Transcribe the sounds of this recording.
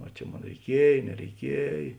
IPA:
ɐ ˈt͡ʃʲɛ ˈmoːn rʲɛɪˈkʲiɛj nʲɛrʲɛɪˈkʲiɛj

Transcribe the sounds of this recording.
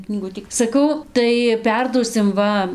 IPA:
knʲiːˈɡʊtʲiː sɐˈkɐʊ tɐɪ ˈpʲɛrduɔsʲɪm ˈʋɐ

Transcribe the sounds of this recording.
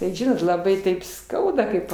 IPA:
tɐɪ ˈʒʲɪnoːt lˠɐˈbɐɪ tɐɪp ˈskɐʊdɐ ˈkɐɪp

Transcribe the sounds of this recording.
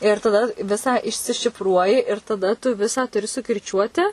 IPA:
ɪr tɐˈdɐ ˈʋʲɪsɑː ɪʃʲsʲɪʃʲɪfˈruɔjɪ ɪr tɐˈdɐ tʊ ˈʋʲɪsɑː tʊˈrʲɪ sʊkʲɪrʲˈt͡ʃʲuɔtʲɪ

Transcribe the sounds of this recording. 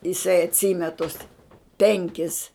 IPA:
jɪˈsɐɪ ɐtʲˈsʲiːmʲɛ tʊs ˈpʲɛŋʲkʲɪs

